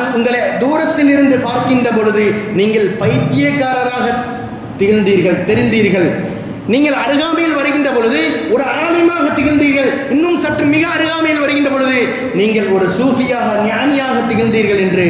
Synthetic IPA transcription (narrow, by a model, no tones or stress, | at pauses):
ʊŋɡɐɭed̪uːɾɐt̪ːɪlɪɾɯnd̪ɯpaːɾkɪndrɐp̬ɔɻɯðɯniːŋɡɐɭpɐjɪt͡ʃːɪjɐkːaːɾɐɾaːɣɐ | t̪ːɪɣɯɻnd̪iːɾɣɐɭt̪ɛɾɪnd̪iːɾɣɐɭ | niːŋɡɐɭɐɾɯɣaːmɐjɪlʋɐɾɯɣɪndrɐpɔɻɯðɯɔɾɯaːlɐmaːɣɐt̪ɪɣɪlnd̪iːɾɣɐɭ | ɪnːɯmsɐʈːrɯmːɪɣɐːɾɯɣaːmɐjɪlʋɐɾɯɣɪndrɐp̬ɔɻɯðɯ | niːŋɡɐɭɔɾɯsuːfɪjaːɣɐnɪjaːnɪjaːɣɐt̪ːɪɣɪld̪iːɾɣɐɭɛndrɯ